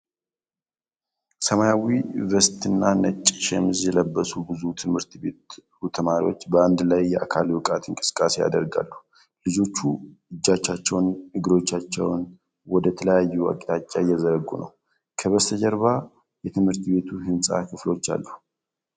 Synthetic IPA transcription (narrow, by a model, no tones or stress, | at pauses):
səmajawivəst̪ɨnːanət͡ʃʼːʃɛmɨzjɛləbːəsubɨzut̪ʰɨmhɨɾt̪be̞t̪ | ut̪ʰəmaɾiwo̞̰t͡ʃːbəand̪lajːɛʔakʰalwɨkʼat̪ɨŋkʼɨsɨ̥kʼaseja̰d̪əɾɡa̰lːu | lɨd͡ʒo̞t͡ʃːuɨd͡ʒːat͡ʃːat͡ʃːɛwnɨɡɨɾo̞t͡ʃːat͡ʃːɛ̰wn | wɔd̪ət̪ʰələjajːua̰kʼit̪at͡ʃʼːajːɛzəɾəɡːṵnə̰w | kʰəβəst̪ʰəd͡ʒɛɾβa | jɛt̪ʰɨmhɨɾt̪be̞t̪ʰuhɨnsʼa̰kʰɨflo̞t͡ʃːa̰lːu